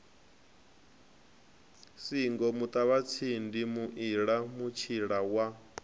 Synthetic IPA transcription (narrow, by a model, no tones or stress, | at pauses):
siŋɡɔmut̪ʼaβat͡sʰindimuʔiɺamut͡ʃʰiɺawa